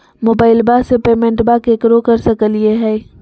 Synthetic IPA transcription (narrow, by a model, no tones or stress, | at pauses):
moːbaːɪlbasepeːmẽɳʈbakeːkɾokɐɾsɐkəlieɦɛː